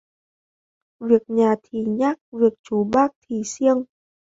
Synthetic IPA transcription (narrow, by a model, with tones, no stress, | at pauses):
vi˨˩ək̚ɲaː˨˩t̪ʰi˧˩ɲaː˦˥k̚vi˨˩ək̚t͡ɕu˨˦ɓaː˦˥k̚t̪ʰi˨˩si˧əŋ